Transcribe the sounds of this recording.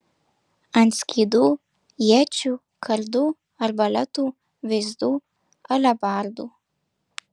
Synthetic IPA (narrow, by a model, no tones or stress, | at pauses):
ant͡skʰʲid̪u | jet͡ʃu | kʰɐrd̪u | arbalɐt̪u | vezd̪u | ɐlabaːrd̪u